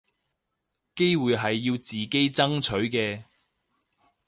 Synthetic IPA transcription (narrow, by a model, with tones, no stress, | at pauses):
ke˥jwuː˨jɦɐ˨jːiː˧wt͡siː˨ke˥jt͡sɐ˥ŋt͡ʃʰɵ˨˥ɥkɛː˧